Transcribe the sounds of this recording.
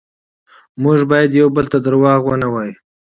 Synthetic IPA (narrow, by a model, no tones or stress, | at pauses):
mʊʒbɑjad̪jawbəlt̪ad̪əɾwɑɣwənawɑju